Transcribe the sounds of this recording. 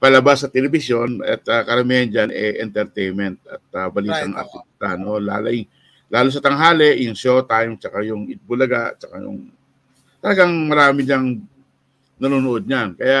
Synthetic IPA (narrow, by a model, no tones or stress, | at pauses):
pɐlɐbasːɐt̪ɛlɛbɪsjo̞nɐ̰t̪ɐkɐɾɐmiːhɐnd͡ʒanʔɛʔɛ̰nt̪ɛɾt̪ɛjnmɛnt̪̚ɐ̰t̪̚ɐbɐliːt̪ɐŋʔɐ̰sʊkt̪ano̞la̰ːlɐ | laːlos̬ɐt̪ɐŋɦaːlɛʔɪnsot̪ajmt͡ʃɐkajʊŋɪt̪̚bʊlɐɡaʔt̪̚t͡ʃɐkajʊ̰ŋ | t̪ɐlɐɡaŋmɐɾaːmɪɲɐŋ | nɐnuːnʊʔod̪̚ɲankɐja